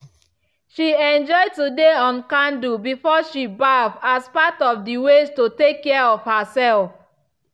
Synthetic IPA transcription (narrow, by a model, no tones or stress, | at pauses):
ʃiɛ̃nd͡ʒɔɪd̚tudeɔ̃nkãndubifɔʃibavaspatɔfdiwestotekːɛɹɔfhasɛlf